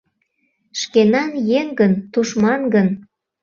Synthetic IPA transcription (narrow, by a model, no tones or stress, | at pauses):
ʃkenɑnjeŋɡənt̪uʃmɑnɡən